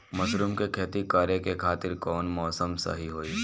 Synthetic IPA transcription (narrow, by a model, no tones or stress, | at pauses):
mɐʃɾuːmkekʰeːt̪ikaːɾjəkekʰaːt̪ɪɾkɔːnmɔːsəmsɐ̰ɦiɦoːiː